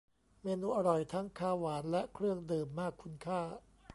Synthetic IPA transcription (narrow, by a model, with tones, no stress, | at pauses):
meː˧nuː˧ʔa˧ɾɔ˨˩jt̪ʰa˦˥ŋkʰaː˧˩waː˩˦nlɛ˦˥ʔkʰɾɯ˥˩əŋdɤː˨mːaː˥˩kʰːu˧nkʰaː˥˩